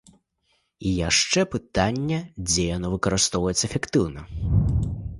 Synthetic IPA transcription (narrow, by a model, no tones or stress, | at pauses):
ijaʂt͡ʂɛpɨt̪anʲːɐd͡zʲɛjanɔvɨkɐɾɨst̪ɔwvɐjɛt̪sɐɛfʲɛkt̪ɨwnɐ